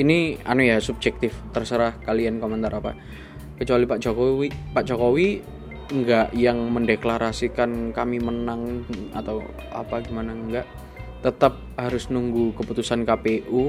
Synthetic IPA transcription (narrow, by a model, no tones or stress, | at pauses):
inia̰nujasub̚d͡ʒɛk̚t̪ɪft̪ərsəɾahkaliankomənt̪aɾapa̰ | kət͡ʃualipaʔd͡ʒokoipaʔd͡ʒokowi | ŋɡaʔjaŋməndeklaɾasikankamimənaŋa̰t̪aw | a̰paɡimanaŋɡaʔ | t̪ət̪ap̚haɾʊsnuŋɡukəput̪usankapeʔu